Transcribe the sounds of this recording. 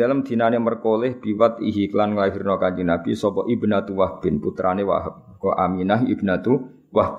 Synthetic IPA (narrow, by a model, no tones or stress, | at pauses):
alamd̪̥inanemərkolɪhb̥iwat̪iɦiklanŋlaɦirnɔkaɲt͡ʃinakisɔbɔʔibnat̪uwahb̥ɪnput̪ɾanewa̰ɦəp̚ | kɔʔa̰minaɦibnat̪u | wah